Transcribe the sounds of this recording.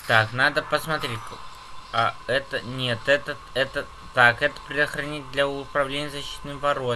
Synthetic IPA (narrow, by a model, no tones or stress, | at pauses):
t̪aknad̪əpəsmɐt̪ɾʲetʲ | aɛt̪ənʲet̪ɛt̪ə | ɛt̪ə | t̪akɛt̪ə̥pɾʲɪəxɾɐnʲit̚ʲd̪lʲɐʊpɾɐvlʲenʲɪjəzɐɕːi̥t̪nɨjbɐɾo